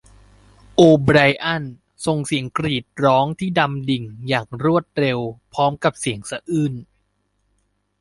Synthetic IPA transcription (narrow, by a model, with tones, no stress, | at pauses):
ʔoː˧bɾa˧jʔa˥˩n | so˧ŋsi˨˩˦əŋkɾiː˨˩t̪̚ɾɔː˦˥ŋt̪ʰiː˥˩da˧mdi˨˩ŋjaː˨˩ŋɾu˥˩ət̪̚ɾe˧wpʰɔː˦˥mka˨˩p̚si˨˩˦əŋsa˧ʔɯː˥˩n